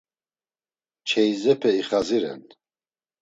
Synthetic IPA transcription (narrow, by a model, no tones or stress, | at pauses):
t͡ʃʰɛjzɛpʰɛiχaziɾɛ̰n